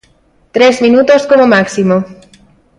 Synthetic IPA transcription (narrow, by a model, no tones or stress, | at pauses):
t̪ɾezminut̪oskomomaksimo